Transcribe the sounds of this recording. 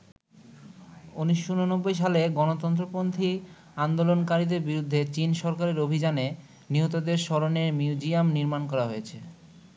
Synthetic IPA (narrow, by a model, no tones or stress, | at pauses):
uniʃːunonobːojʃaleɡɔnot̪ɔnt̪ɾopont̪ʰi | and̪olonkaɾid̪eɾbiɾud̪ʱːet͡ɕinʃɔɾkaɾeɾobʱid͡ʑane | niɦot̪od̪eɾʃɔɾoneɾmiud͡ʑiamniɾmankɔɾaɦojet͡ɕʰe